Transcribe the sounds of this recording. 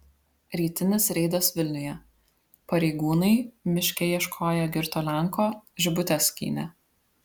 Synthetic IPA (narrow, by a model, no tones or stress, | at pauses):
ɾʲiːt̪ʲɪnʲɪsɾʲɛɪd̪ɐsʋʲɪlʲnʲʊjɛ | pɐɾʲɛɪɡuːnɐɪmʲɪʃʲkʲɛiɛʃkʰoːjɛɡʲɪɾt̪oːlʲɛŋkoːʒʲɪbʊt̪ʲɛsʲkʲḭːnʲɛ